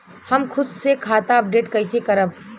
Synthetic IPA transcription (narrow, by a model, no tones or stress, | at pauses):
hɐmkʰʊd̪sekʰaːt̪aɐp̚ɖeːʈkɐɪsekɐɾəb̚